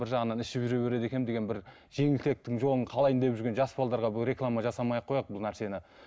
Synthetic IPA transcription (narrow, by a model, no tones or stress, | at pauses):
bɪɾʒɑʁənɑnɪʃɪpʒʏɾe̞βe̞ɾe̞d̪e̞kʲe̞nmd̪eɡʲenbɪɾ | ʒ̥e̞ŋɪlt̪e̞k̚t̪ɪŋʒo̞lˠəɴqʰɑlˠɑjənd̪e̞pʒʏɾɡʲe̞nʒɑsbɑlˠd̪ɑɾʁɑbɪɾe̞klˠamɑʒɑsɑmɑjɑqʰːo̞jɑq̚bʊlˠnæɾse̞nɪ